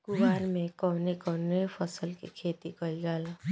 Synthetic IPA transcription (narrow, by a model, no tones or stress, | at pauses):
ɡ̥ʊʋaːɾmẽkɔːnekɔːnepʰəsəlkḭkʰeːt̪ikəld͡ʒaːl